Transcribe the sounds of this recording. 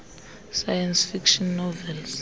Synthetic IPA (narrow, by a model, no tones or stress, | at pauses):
sajɛnsfikʃɔnːɔvɛls